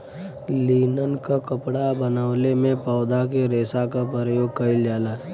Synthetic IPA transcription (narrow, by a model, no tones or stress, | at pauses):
liːnənkakəpɽabənaʋlemẽpaːd̪akeɾeːsakapɾəɾəjoːɡ̚kəɪld͡ʒaːlaː